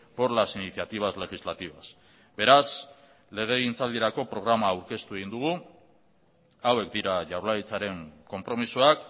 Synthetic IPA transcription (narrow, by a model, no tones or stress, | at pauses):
poɾlasiniθjat̪iβ̞azle̞ɣizlat̪iβas | be̞ɾas | le̞ɣ̞e̞ɣint͡sald̪iɾako̞pɾo̞ɣ̞ɾamaːwɾke̞st̪ue̞ɣ̞ind̪uɣ̞u | awe̞kd̪iɾaʝawɾlajt͡saɾe̞ŋko̞mpɾo̞misuak